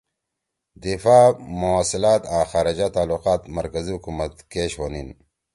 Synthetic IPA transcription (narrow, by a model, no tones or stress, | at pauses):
d̪ifaːmuaːsilaːt̪aːxaːɾɐd͡ʑat̪aːluqaːt̪mɐɾkɐzihukumɐt̪keɕwonin